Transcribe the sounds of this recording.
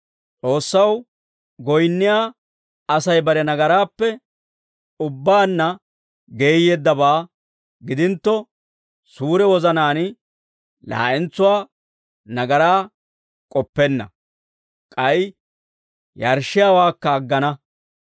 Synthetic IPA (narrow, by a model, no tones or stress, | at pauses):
t͡sʼo̞ːsːɐw | ɡɔjnːɪjaː | ɐsɐjbɐɾɛnɐɡɐɾaːpːɛ | ʊbːaːnːɐ | ɡe̞ːjeːd̪ːɐbaː | ɡɪd̪ɪnt̪ːɔ | suːɾɛwɔzɐnaːn | la̰ːʔɛnt͡sːʊwaː | nɐɡɐɾaː | kʼɔpːɛnːɐ | kʼɐj | jɐɾʃːɪjaːwaːkːɐːɡːɐnɐ